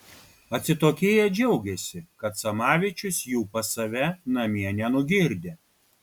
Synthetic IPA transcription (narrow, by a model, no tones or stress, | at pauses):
ɐt̪ʲsʲɪt̪oːkʲeːjɛd͡ʒʲɛʊɡʲɛsʲɪkɐt̪sɐmɑːʋʲɪt͡ʃʲʊsjuːpɐsɐʋʲɛnɐmʲiɛnʲɛnʊɡʲɪɾʲd̪ʲeː